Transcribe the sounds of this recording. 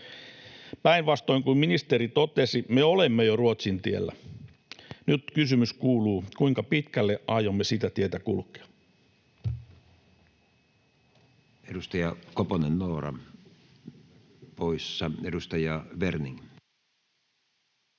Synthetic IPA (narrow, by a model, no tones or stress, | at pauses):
pæinʋɑst̪oiŋkumminist̪eɾit̪ot̪esimeolemːejoruot̪sint̪iḛlːæ̰ | nyt̪kysymyskuːluːkuiŋkɑpit̪kælːeʔɑjomːesit̪æt̪iet̪ækṵlkˑe̥ɑ̥ | edust̪ɑjɑkoponennoːrɑ̰ | poisːɑedust̪ɑjɑʋerniŋ